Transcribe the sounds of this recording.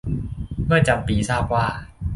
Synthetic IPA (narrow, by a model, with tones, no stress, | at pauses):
mɯ˥˩ɐt͡ɕa˧mpiː˧saː˥˩p̚waː˥˩